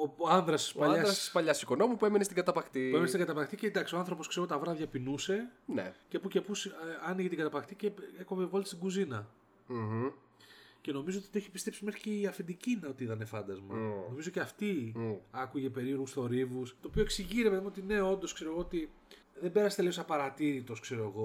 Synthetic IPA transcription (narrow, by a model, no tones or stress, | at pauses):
oɐnðɾɐsi̥spɐʎɐssspɐʎɐssikonomupue̞menest̪iɡɐt̪ɐpɐxt̪iuemenest̪iɡɐt̪ɐpɐxt̪iced̪ɐksioɐnθɾo̞po̞skseɾɣot̪t̪ɐvɾɐvʝɐpinuse̞nḛcepucepusɐniʝet̪iɡɐt̪ɐpɐxt̪iceekomevolt̪i̥st̪iɡuzinɐ | ce̞no̞mizo̞ot̪it̪eçi̥pist̪e̞psimexi̥ceiɐfind̪icinɐo̞t̪iit̪ɐne̞fɐnd̪ɐzmɐ̰no̞mizoceɐft̪iɐkuʝe̞pe̞ɾio̞ɾɣusθo̞ɾivust̪o̞ːpio̞eksiʝiɾep̪ðimuot̪ine̞o̞nd̪o̞skse̞ɾo̞ɣoot̪i | ðembe̞ɾɐse̥t̪eliosɐpɐɾɐt̪iɾit̪o̞skse̞ɾo̞eɣo̞